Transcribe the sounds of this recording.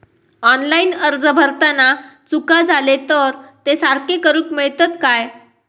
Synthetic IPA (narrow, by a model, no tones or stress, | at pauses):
ɔnlainəɾd͡zəbʱəɾt̪anat͡sukad͡zʱalet̪əɾt̪esaɾkekəɾuːkmeɭt̪ət̪kaj